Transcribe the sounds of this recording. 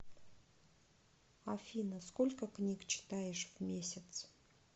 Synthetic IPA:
afʲinəskolʲkəknʲikt͡ɕʰɪ̥t̪ajɪʂvmʲesʲɪt̪s

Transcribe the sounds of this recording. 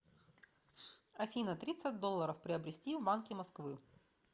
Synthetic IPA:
ɐfʲinət̪ɾʲit̪sɨt̚ʲd̪o̞lˠːəɾəfpɾʲɪəbɾʲɪsʲtʲivbankʲɪmɐskvɨ

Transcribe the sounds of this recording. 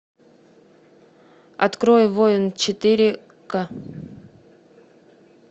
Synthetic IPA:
ɐ̰t̪kɾojvojɪnt͡ɕɪt̪ɨɾʲɪ | ka

